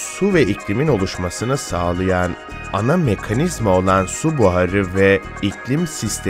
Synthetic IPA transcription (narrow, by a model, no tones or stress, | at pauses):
suvɛiclʲimino̞lˠuʃmasɯnɯsaːlˠajan | anamekʰanizmo̞lˠansubuɦaɾɯvɛ | icʰlʲimsist̪ʰ